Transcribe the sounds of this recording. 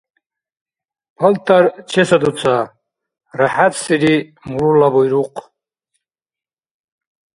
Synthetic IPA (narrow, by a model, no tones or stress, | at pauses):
pʰɐlt̪ʰaɾt͡ʃʰɛsad̪ut͡sʰa | ɾaħat̪siɾi | muɾulabɔjɾuq